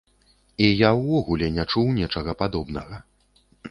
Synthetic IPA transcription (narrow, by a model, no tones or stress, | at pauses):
ijawːɔɣulʲɛnʲat͡ʂuwnʲɛt͡ʂɐɣɐpad̪ɔbnɐɣɐ